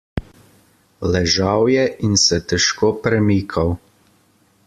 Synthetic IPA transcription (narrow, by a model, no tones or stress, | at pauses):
lɛʒawjɛʔinsɛt̪ɛʃkoːpɾɛmiːkʰaw